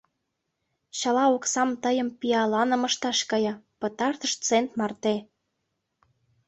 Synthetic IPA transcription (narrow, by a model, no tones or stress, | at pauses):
ɕɑlɑoksɑmt̪əjə̆mpiɑlɑnə̆məʃt̪ɑʃkɤjɑpɤ̆t̪ɑrt̪əʃt͡sent̪mɑrt̪e